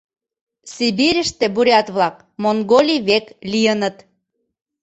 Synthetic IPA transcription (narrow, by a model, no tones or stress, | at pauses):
sibiɾʲə̆ʃt̪ĕbuɾʲɑt̪βlɑk̚ | moŋɡolʲiβeklijənə̆t̪